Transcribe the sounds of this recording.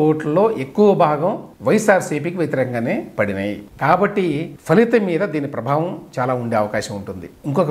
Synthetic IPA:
oːʈɐlo̞ːʔe̞kːuʋɐbʱaːɡɐmʋɐjsaːɾsiːpiːkiʋjɐt̪ɐɾɛːkɐŋɡaːneːpɐɽinaːjḭkaːbɐʈːipʰɐlit̪ɐmiːd̪ɐd̪iːnipɾɐbʱaːʋɐmt͡ʃaːlaːuɳɖeːɐʋɐkaːʃɐmuɳʈund̪iiŋkɔkɐ

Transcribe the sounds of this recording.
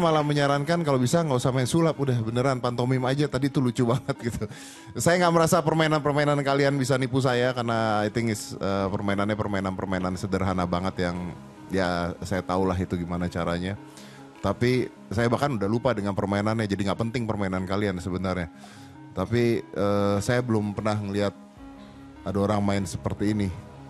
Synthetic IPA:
malaməɲaɾaŋkankalobisaŋɡausamaansulap̪udahbənəɾanpant̪omɪmad͡ʒat̪adit̪ulut͡ʃubaŋət̪̚ɡit̪u | sajaŋɡaʔməɾasapərmainanpərmainankalianbis̬anipus̬ajakarnait̪iŋɪsəːpərmainanɲapərmainanpərmainansədərɦanabaŋət̪jaŋ | jasajat̪aulaɦit̪uɡimanat͡ʃaɾaɲa | t̪api | sajabakanudahlupadəŋanpərmainanɲad͡ʒadiŋɡaʔpənt̪ɪŋpərmainankaliansəbənarɲa | t̪apiəːsajabəlʊmpərnahŋəliɦat̪̚ | adaoɾaŋmaɪnsəpərt̪iːni

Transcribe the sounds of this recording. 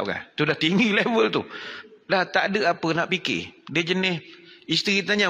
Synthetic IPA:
ka̰ht̪udaht̪iŋɡilevəlt̪udaht̪aʔdəʔapənaʔpikɪ̰dəd͡ʒənɪhist̪ɾit̪aɲa

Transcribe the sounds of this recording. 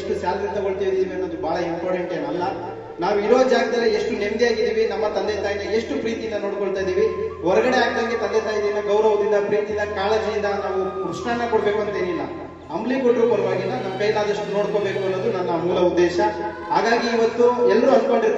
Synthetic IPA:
ʂʈusaːlɾint̪ɐɡoɭt̪aːjd̪iːʋiɐnːoːd̪ubʱaːɭɐimpoːʈeɳʈiɐnːɐlːɐ | naːʋuiɾoːd͡ʒaːɡɐd̪ɐlːieʂʈunemd̪ijaːɡid̪iːʋinɐmːɐt̪ɐnd̪et̪aːjinɐeʂʈupɾiːt̪ijinːɐnoːɽkoɭt̪aːjd̪iːʋiɔɾɐɡɐɽeaːɡ̚d̪aːŋɡet̪ɐɡet̪aːjd̪iʋinːɐɡɐwɾɐʋɐd̪ind̪ɐpɾiːt̪ind̪ɐkaːled͡ʒijind̪ɐnaːʋukɾuʂɳaːɳːɐkoɽɐbe̞ːkuɐnt̪eːnilːɐ | ɐmblikoʈːupɐɾɐʋaːɡilːɐnɐmɐkɐjɐlaːd̪ɐʂʈunoːɽko̞be̞ːkuɐnːod̪unɐnːɐmuːlɐud̪ːɛːʃɐ | ɦaːɡaːɡiːʋɐt̪ːuɛlːɐɾuɐskoɳɖiɾ

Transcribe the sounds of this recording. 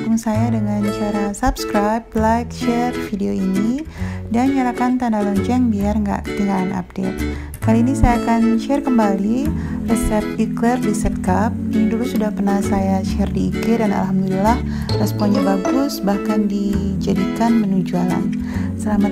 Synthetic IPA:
kuŋsajadəŋant͡ʃaɾasapskɾajplajkʃɛrfideoinidanɲalakant̪andalɔnt͡ʃɛŋbiarŋɡa̰ʔkə̥t̪iŋɡaanʔa̰p̚dḛt̪̚ | kaliːnisajaːkanʃɛrkəmbalirəsɛp̚iklɛrdisɛt̪̚kap̚inidulusudahpərnahsajaʃɛrdiːkɪrdana̰lɦamdulilah | rɛspɔnɲabaɡʊsbahkandid͡ʒadikanmənud͡ʒuala̰n | səlama

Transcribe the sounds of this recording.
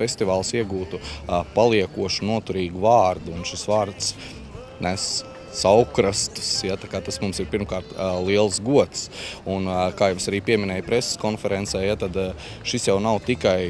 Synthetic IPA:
fesʲt̪iʋaːlˠsiɛɡuːt̪upalˠiɛkuɔʃunuɔt̪uɾiːɡuvaːɾd̪uːnʃisʋaːɾt̪s | næs | sawkɾast̪sjat̪akaːt̪asmumsiɾpiɾmkaːɾt̪lˠiɛlˠsɡuɔt̪sunkaːjɛʋsaɾiːpiɛminɛːjpɾɛsskɔnfɛɾɛnsɛjjat̪ad̪ | ʃisjawnawt̪ikaj

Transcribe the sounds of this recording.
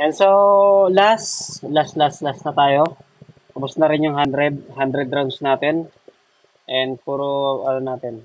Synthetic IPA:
ʔɛnsolaslaslaslasnɐt̪aːjo̞ | ɐbʊsnɐɾɪnjʊŋɦand̪ɾɛd̪̚hand̪ɾɛd̪ɾawnsnaːt̪ɛn | ʔɛnd̪̚puːɾoʔɐnonaːt̪ɛn

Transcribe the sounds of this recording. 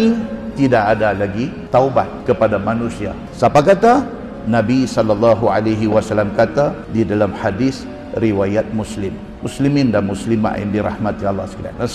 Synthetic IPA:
it̪idaʔadalaɡit̪auba̰t̪̚kəpadamãnũsia̰ | sapakat̪a | nãbisɔlːalːɑɦualaɦiwasalːamkat̪adidalamhadis | ɾiwajat̪̚muslɪmːuslimɪ̃ndanmuslima̰ʔja̰ndiɾa̰hmat̪ialːaskida̰na

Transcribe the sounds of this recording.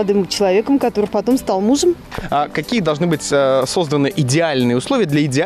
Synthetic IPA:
ɐd̪ɨmt͡ɕɪlˠɐvʲe̞kəmkɐt̪o̞ɾɨpɐt̪o̞mst̪alˠmuʐəm | akɐkʲijəd̪ɐlˠʐnɨbɨtʲəso̞zd̪ənɨʔɪdʲɪalʲnɨjəʊslˠovʲɪjəd̪lʲɐɪdʲɪ

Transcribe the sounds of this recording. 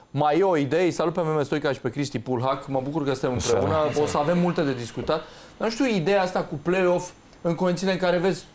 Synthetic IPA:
majeoid̪ejejsalut̪̚pe̞mɾemest̪ojkaʃi̥pe̞kɾist̪ipulɦakməbukurkəsɨnt̪emɨpɾebunəosəave̞mːult̪e̞d̪e̞d̪iskut̪at̪ʲ | namʃt̪ʲiuid̪e̞jaast̪akuple̞o̞f | ɨŋkonit̪ʲileŋkaɾe̞ve̞zʲ

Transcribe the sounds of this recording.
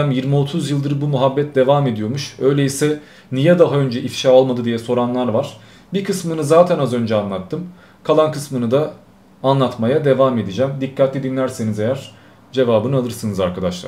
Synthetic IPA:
æmjiɾmio̞t̪ʰuzjɯlˠd̪ɯɾbumyɦabːɛt̪̚d̪e̞vaːme̞d̪ijo̞ɾmuʃø̞jlʲeisɛ | nijɛd̪aɦaø̞nd͡ʒɛʔifʃaːo̞lˠmad̪ɯd̪ijɛso̞ɾanlˠaɾvaɾ̝̥ | bikʰɯsmɯnɯzaːt̪ʰɛnazø̞nd͡ʒɛanlˠat̪ːɯm | kʰalˠankʰɯsmɯnɯd̪aː | nlˠat̪majad̪e̞vaːme̞d̪id͡ʒæmd̪ikʰːat̪lʲid̪inlʲæɾse̞nize̞jæɾ̥ | d͡ʒe̞vaːbɯnɯalˠɯɾsɯnɯzaɾkʰad̪aʃlˠa̰

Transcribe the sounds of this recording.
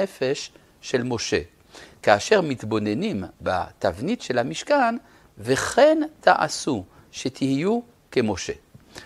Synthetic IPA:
efeʃː | elmo̞ʃḛ | kaːʃeʁmit̪bo̞nenimba̰t̪avnitʃelhamiʃkan | veχent̪ʰaʔa̰su | ʃet̪ʰihiju | kemo̞ʃe̞̰

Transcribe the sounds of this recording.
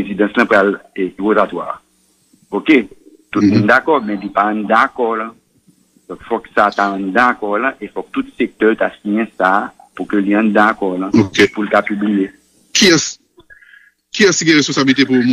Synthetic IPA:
ezid̪ɐ̃slɐ̃pɣaleiʁozatwa̰ʁ | oke | t̪ut̪̚mũnd̪akɔmɛ̃lipaãnd̪akɔlɐ̃ | d̥̪ɔ̃kfɔksataãnd̪akɔʁlɐ̃ʔefɔk̚t̪ut̪sek̚t̪œlitasijɛ̃saː | pukøliãnd̪akɔʁlɐ̃kepulkapyblije | kiɛ̃s | kiɛ̃siɡɛ̃ʁespõsabilit̪epum

